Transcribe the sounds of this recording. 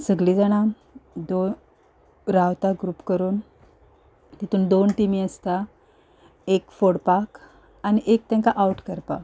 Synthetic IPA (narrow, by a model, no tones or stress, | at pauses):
səɡɭid͡zaɽ̃a | d̪o | ɾawt̪aɡɾuːpkəɾuːn | t̪it̪uːnd̪onʈimiəst̪a | ekfoɽpak | aniʔek̚t̪ɛ̃ŋkaʔauʈkəɾpa̰